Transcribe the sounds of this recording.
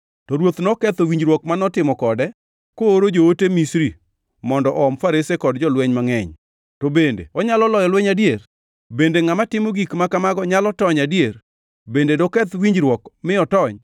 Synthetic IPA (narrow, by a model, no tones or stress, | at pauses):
tɔɾwot̪nɔkɛt̪owiɲd͡ʒɾwɔkmanɔtɪmɔkɔdɛ | koːɾod͡ʒootemisɾi | mɔndɔʔɔmfaɾesekɔdd͡ʒɔlwɛɲmaŋɛɲ | tobendḛɔɲalɔlɔjɔlwɛɲadjer | bendeŋamatɪmɔɡikmakamaɡɔɲalɔtɔɲadjer | bendedɔkɛt̪wiɲd͡ʒɾwɔkmɪɔtɔɲ